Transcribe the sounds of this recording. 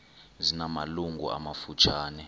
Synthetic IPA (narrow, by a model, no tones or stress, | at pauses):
zinamaluŋɡṵa̰mafut͡ʃʰaːnɛ